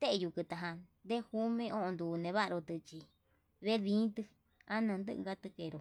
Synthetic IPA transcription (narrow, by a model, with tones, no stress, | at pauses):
t̪e˦ʔe˧ju˧kɨ˧t̪a˨˧ɦã˧nd̪e˦hu˦mẽ˧˦ʔõ˦ʔnd̪uː˨nẽ˨˧βa˦ʔɾo˧t̪ɨ˧t͡ʃi˧ | βe˦ðĩː˨˦t̪ɨ˧ | a˦nã˧nd̪ɨ˦ʔɡa˦t̪ɨ˧ke˧˨ɾo˨